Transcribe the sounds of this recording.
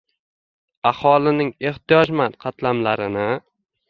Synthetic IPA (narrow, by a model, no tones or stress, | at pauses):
ahɒlɪnɪŋe̞ht̪ʰijɒd͡ʒmanqʰɑt̪lamlaɾɪnɪ